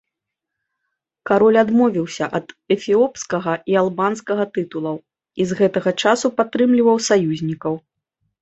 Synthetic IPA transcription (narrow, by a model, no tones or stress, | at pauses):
kaɾɔlʲad̪mɔvʲiwsʲɐʔɐd̪ɛfʲiɔpskɐɣɐʔialˠbanskɐɣɐt̪ɨt̪ulˠɐw | izɣɛt̪ɐɣɐt͡ʂasupat̪ːɾɨmlʲivɐwsajuzʲnʲikɐw